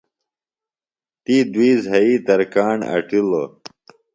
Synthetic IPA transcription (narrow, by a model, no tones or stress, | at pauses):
t̪iːd̪wiːzɦɐiːt̪ɐɾkaːɳɐ̰ʈilo